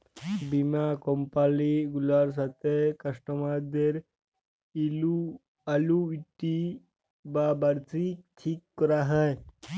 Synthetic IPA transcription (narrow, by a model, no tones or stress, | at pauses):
bimakɔmpaliɡulaɾs̬at̪ekəʂʈəmad̪eɾ | ilu | aluiʈi | babaɾt͡sikʈʰiːkːɔɾaɦəj